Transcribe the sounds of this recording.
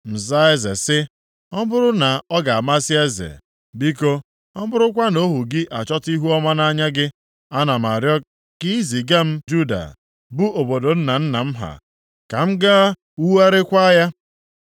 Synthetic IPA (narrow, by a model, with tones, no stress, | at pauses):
m̩˨za˦e˦zḛ˨sɪ˦ | ɔ˦bʊ˦ɾʊ˦na˨ɔ˦ɡa˨a˨ma˦si˦e˦zḛ˨ | bi˦ko˦ | ɔ˦bʊ˦ɾʊ˦k̬ʷa˦no˦ɦu˨ɡɪ˦ʔa˨t͡ʃɔ˦ti˦ɦu˦ɔ˦ma˦na˦ɲa˦ɡɪ˦ | a˦na˨ma˨ɾjɔ˦k̚ | ki˦i˦zi˨ɡa˦m̩˦d͡ʒu˦da̰˨ | bu˦ʔo˨bo˨do˨n̩˦na˨n̩˦na̰˨m̩˦ɦa̰˨ | ka˨m̩˦ɡa˦ | u˦wa˦ɾe˦kʷa˦ja˦